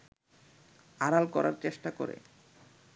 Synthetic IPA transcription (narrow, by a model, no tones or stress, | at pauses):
aɾalkɔɾaɾt͡ɕeʃʈakoɾḛ